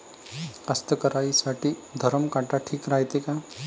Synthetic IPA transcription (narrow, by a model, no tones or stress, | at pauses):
kast̪əkəɾaisaʈʰid̪ʱəɾəmkaʈaʈʰiːkɾajt̪eka